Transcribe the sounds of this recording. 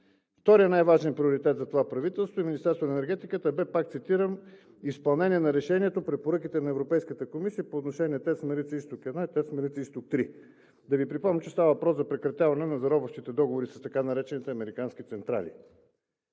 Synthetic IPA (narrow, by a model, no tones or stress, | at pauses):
ft̪ɔɾijənajvaʒɛnpɾioɾit̪ɛt̪zɐt̪ovapɾɐvit̪ɛlˠst̪voiminʲist̪ɛɾst̪onɛnɛɾɡɛt̪ikət̪əbɛpak̚t̪sit̪iɾən | ispɐlˠnɛniɛnɐɾɛʃɛniɛt̪opɾɛpoɾɤkit̪ɛnɐɛvɾopɛjskət̪əkomisijəpoːt̪noʃɛniɛt̪ɛt̪smɛɾlit̪səist̪okɛd̪nait̪ɛt̪smɛɾlit̪səist̪ok̚t̪ɾi | d̪ɐvipɾipɔmnit͡ʃɛst̪avəvɐpɾɔszɐpɾɛkɾɐt̪javɐnɛnɐzɐɾɔbəfʃt̪it̪ɛd̪ɔɡovoɾisɐst̪ɐkanɐɾɛt͡ʃɛnit̪ɛɐmɛɾikanskit̪sɛnt̪ɾa̰lḭ